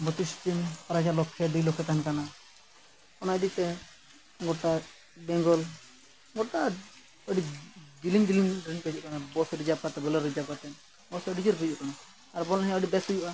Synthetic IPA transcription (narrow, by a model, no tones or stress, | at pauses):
bɔt̪ist̪inpaɾad͡ʒalɔkʰːɛɖilɔkʰɛt̪ankana | ɔnajd̪it̪ɛ | ɡɔʈa | bɛŋɡɔl | ɡɔʈa | ɔɖiɡiliŋɡiliŋdɾiŋpɛd͡ʒuʔkanabɔsɾid͡ʒab̚kat̪ɛbɔlɛɾːid͡ʒab̚kat̪ɛ | bɔsɔɖid͡ʒɔɾpɛd͡ʒuʔkanaː | ɾbɔlɦɛ̃ɔɖibɛsujuʔa